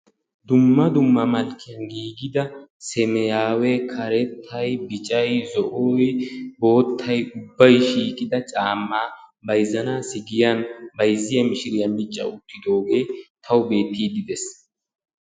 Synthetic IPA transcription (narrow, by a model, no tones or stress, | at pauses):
d̪ʊmːɐd̪ʊmːɐmɐlkːɪjɐnɡiːɡɪd̪ɐsɛmɛjaːwɛkʰɐɾɛt̪ʰːɐjbɪt͡ʃʼɐjzɔʔoːjbo̞ːt̪ʰːɐjʊbːɐjʃiːkʼɪd̪ɐt͡ʃʼaːmːaːbɐjzːɐnaːsɪɡɪjanbɐjzːɪjɐmɪʃɪɾɪjɐmɪt͡ʃʼːɐ̰ʊt̪ːɪd̪o̞ːɡe̞ːt̪ʰɐwʊbe̞ːt̪ːiːd̪ɪd̪ɛs